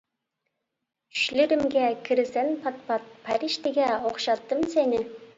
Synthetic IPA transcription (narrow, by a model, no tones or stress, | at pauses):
ʏ̥ʃlɪɾɪmɡʲɛkʲʰɪɾɪsenpʰɑt̪pɑt̪̚pʰæɾiʃt̪eɡʲɛoχʃɑt̪ːəmsenɪ